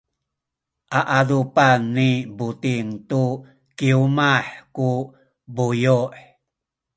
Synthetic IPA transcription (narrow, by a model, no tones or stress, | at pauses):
ʔaʔadupanːibutiŋtu | kiumaħku | bujuħ